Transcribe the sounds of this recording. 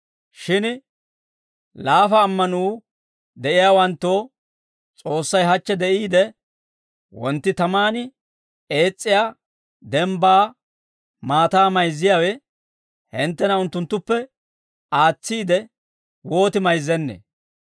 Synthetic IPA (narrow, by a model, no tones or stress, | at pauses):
ʃɪn | laːfɐːmːɐnuː | d̪ɛʔɪjaːwɐnt̪ːo̞ː | t͡sʼo̞ːsːɐjɦɐt͡ʃːɛd̪ɛʔiːd̪ɛ | wɔnt̪ːɪt̪ɐmaːnɪ | e̞ːt͡sʼːɪjaː | d̪ɛmbaː | maːt̪aːmɐjzːɪjawɛ | hɪnt̪ːɛnɐʊnt̪ːʊnt̪ːʊpːɛ | aːt͡sːiːd̪ɛ | wo̞ːt̪ɪmɐjzːɛnːḛ